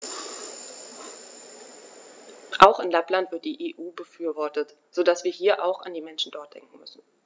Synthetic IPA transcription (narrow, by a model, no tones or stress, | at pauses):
ʔaʊxɪnlaplantv̥ɪɐt̚d̥iːʔeːʔuːbəfyːɐvɔɐtət | z̥oːdasv̥iːɐɦiːɐʔa̰ʊxa̰ndiːmɛnʃn̩dɔɐt̚d̥ɛ̰ŋk̚ŋ̩mʏsn̩